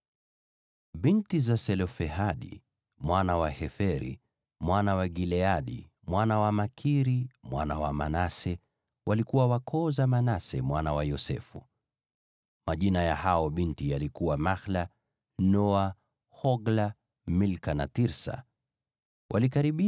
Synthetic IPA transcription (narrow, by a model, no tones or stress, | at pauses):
ɓintizasɛlɔfɛhaɗḭ | mwanawahɛfɛɾḭ | mwanawaɡilɛaɗḭ | mwanawamakʰiɾimwa̰nawa̰manasɛ | wʔalikuwawakʰɔzamanasɛ̰mwanawajɔsɛ̰fṵ | maʄinajahaɔɓintijalikuwamaxla | nɔa | hɔɡla | milkanatiɾsa̰ | wʔalikaɾiɓi